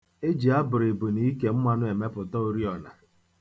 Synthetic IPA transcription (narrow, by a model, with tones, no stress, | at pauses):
e˦d͡ʒi˨a˦bʊ˨ɾɪ˨bu˨ni˦ke˨m̩˦mʷa˦nʊ˦e˨me˦pʊ˨tɔ˦o˦ɾi˦ɔ˨na̰˨